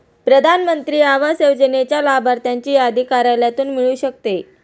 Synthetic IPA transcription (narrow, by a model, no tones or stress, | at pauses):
pɾəd̪ʱanmənt̪ɾiːaʋasewd͡ʑənet͡ɕjalabaɾt̪jaɲt͡ɕiːad̪ʱikaɾaljat̪uːnmiɭuːɕək̚t̪e